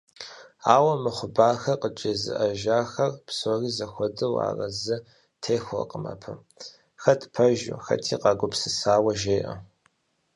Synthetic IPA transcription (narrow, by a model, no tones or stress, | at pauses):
aːwɐmɨχʷʊbaːxɐqət͡ʃʼɐzɨ̰ʔɐʒaːxɐrpsoːriːzɐxʷɔdɨwa̰ːrɐzɨ | tʰeːxʷʊ̰qʼəmɐ̰pʰɐ | xɐtʰpʰɐʒʊ̰xɐ̰tʰiːqʼɑɡʷʊpsɨsaːwɐʒeːʔɐ̰